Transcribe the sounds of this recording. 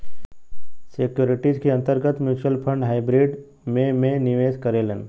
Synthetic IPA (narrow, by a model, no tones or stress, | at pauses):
sekjoːɾɪʈid͡ʒkeɐ̃nt̪əɾɡət̪mjuːt͡ʃəlpʰə̃ɳɖɦaːɪbɾiɖ | mẽmẽnɪʋeːskɐɾeːlẽn